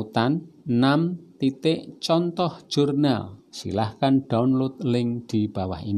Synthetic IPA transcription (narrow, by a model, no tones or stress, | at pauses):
ut̪anːamt̪it̪ɪʔt͡ʃɔnt̪ɔhʒ̥urna̰lsḭlahkanɖ̥aunlʊt̪̚lɪŋd̪̥i̤b̥a̤wa̰hini